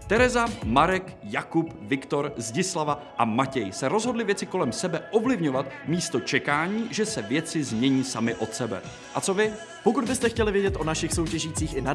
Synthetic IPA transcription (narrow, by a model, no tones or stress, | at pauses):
t̪ɛɾɛzamaɾɛk | jakup | vɪkt̪o̞ɾzɟɪslava | ʔamacɛjsɛɾo̞zɦo̞dlɪvjɛt͡sɪko̞lɛmsɛbɛʔo̞vlɪvɲo̞vat̪miːst̪o̞t͡ʃɛkaːɲiːʒɛsɛvjɛt͡sɪzmɲɛɲiːsamɪʔo̞t̪sɛbɛ̰ | ʔat͡so̞vɪ | pokud̪bɪst̪ɛxcɛlɪvjɛɟɛt̪ʔonaʃɪxso̞wcɛʒiːt͡siːxʔɪna